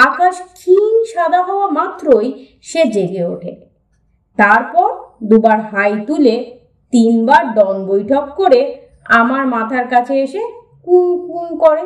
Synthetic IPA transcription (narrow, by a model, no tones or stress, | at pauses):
akaʃkʰinʃad̪ʱaɦɔoamat̪ːɾoj | ʃed͡ʑeɾieo̰ʈʰḛ | t̪aɾpɔɾd̪ubaɾɦajt̪ule | t̪inbaɾɖɔnbojʈʰɔkːoɾe | amaɾmat̪ʰaɾkat͡ɕʰeeʃe | kunkunkɔɾe